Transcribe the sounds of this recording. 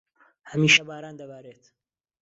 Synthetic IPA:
hɐmiːʃɐbaːɾaːnd̪ɐbaːɾeːt̪

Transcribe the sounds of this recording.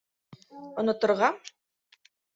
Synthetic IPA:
ŏnŏt̪ŏɾʁɑ

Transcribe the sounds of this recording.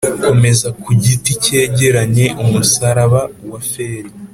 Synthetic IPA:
ko̞me̞zakuɟitice̞ːɟe̞ɾaɲe̞ʔumusaɾaβawafeːɾi

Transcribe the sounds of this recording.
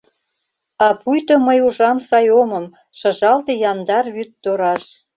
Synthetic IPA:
ɑpujt̪oməjuʒɑmsɑjomɤ̆m | ʃɤ̆ʒɑlt̪ejɑnd̪ɑrβyt̪ːoɾɑʃ

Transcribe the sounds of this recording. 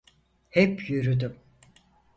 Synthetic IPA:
hɛpjyɾyd̪ym

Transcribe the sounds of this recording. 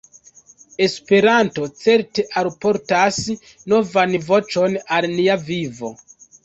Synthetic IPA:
e̞spe̞ɾanto̞t͡se̞ɾte̞ʔalpo̞ɾtas | no̞vanvo̞t͡ʃo̞nalniavivo̞̰

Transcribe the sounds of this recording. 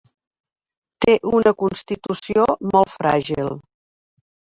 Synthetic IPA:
t̪eʔunəkunst̪it̪usiomɔlˠfɾaʒilˠ

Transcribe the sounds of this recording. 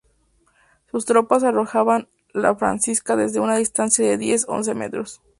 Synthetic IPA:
sust̪ɾo̞pas̬aro̞xaβan | la̰fɾa̰nsiskaðe̞zðe̞unaðist̪ansjaðe̞ðje̞so̰ns̬e̞me̞̰t̪ɾo̞s

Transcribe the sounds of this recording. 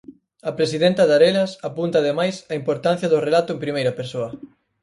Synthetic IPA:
ɐpɾesiðent̪ɐðaɾelɐsapunt̪ɐaːðemajsɐimpoɾt̪an̟θjɐðʊrelat̪ʊempɾimejɾɐpeɾsoɐ

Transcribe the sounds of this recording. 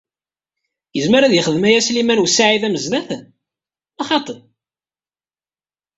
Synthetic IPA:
jəzməɾæðjəχəðmæjæslimænwsːaʕiðæməzðæθ | ɑχɑt̪ˤə

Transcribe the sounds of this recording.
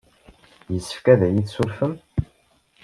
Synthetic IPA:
jəsːə̥fkæðæjiθsuɾfəm

